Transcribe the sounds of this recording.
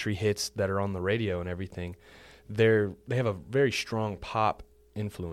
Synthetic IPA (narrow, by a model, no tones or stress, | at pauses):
ɹ̥ihɪtsðɨɾə˞ə̃nðəɹeɪɾioʊə̃ɾ̃ɛvɹiθɪ̃ŋðə˞ðeɪɨvəvɛɹistɹ̥ɔ̃ŋpʰɑp | ɪ̃ɱfluə̃